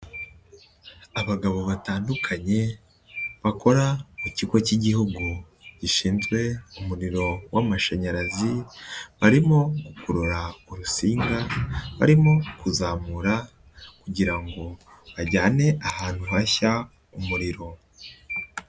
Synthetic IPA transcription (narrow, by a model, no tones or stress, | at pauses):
aβaɡaβo̞βataːndukʰaɲe̞ | βako̞ɾamucikwociɟihuɡu | ɟ̥iʃiːnzɡwe̞umuɾiɾo̞wamaʃaɲaɾaziβaɾimo̞ɡukuɾoɾauɾusiːŋɡaβa̰ɾimo̞kuzaːmuɾa | kuɟiɾaŋɡo̞βaɾɟaːne̞ʔahaːn̥huɦaça | umuɾiɾo̞